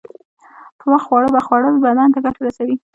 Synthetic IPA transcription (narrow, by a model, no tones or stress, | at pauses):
pəməxxwɑɽəbaxwɑɽələbad̪ɑnt̪aɡaʈaɾasawi